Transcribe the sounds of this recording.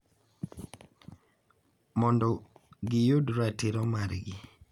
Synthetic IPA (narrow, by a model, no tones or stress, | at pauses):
mɔndɔɡɪjodɾatiɾɔmaɾɡɪ